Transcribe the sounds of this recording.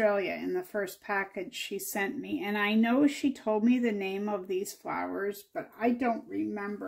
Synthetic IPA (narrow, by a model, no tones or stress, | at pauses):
eɪlˠjɨɪ̰̃nðɨfɜ˞spʰækɨd̥ʒ̥ʃisɛ̃nmiʔɨ̃naɪnoʊʃitʰoʊlˠd̚miðɨnẽɪ̃mʌvðiz̥fla̰ʊə˞zb̥ʌɾaɪdõʊ̃nʔ̚ɹɪmɛ̃mbə